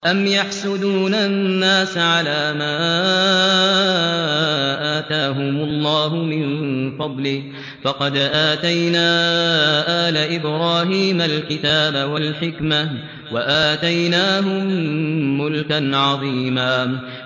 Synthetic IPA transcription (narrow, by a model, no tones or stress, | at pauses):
ʔamjaħsʊd̪uːnanːaːsʕalaːmaː | ʔaːt̪aːɦʊmʊlˤːɑːɦʊmɪnfɑd̪ˤlɪh | fɑqɑd̪ʔaːt̪ajnaːʔaːlaʔɪbɾaːɦiːmalkɪt̪aːbawalħɪkma | waʔaːt̪ajnaːɦʊmː | ʊlkanʕɑðˤiːmaː